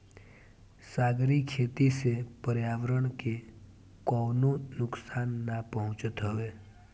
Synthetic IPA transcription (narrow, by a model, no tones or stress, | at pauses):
saːɡɾikʰeːt̪isepəɾjaːwəɾəɳ̃ke | kɔːnonʊksaːnːapəɦʊ̃t͡ʃət̪ɦəʋeː